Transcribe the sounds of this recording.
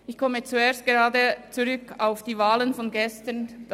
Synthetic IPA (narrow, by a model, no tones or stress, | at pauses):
ɪçkʰɔmət͡sueːɐst̚ɡ̥eʁaːdət͡suʁʏkaʊfd̥iːvaːlənfɔnɡɛstənd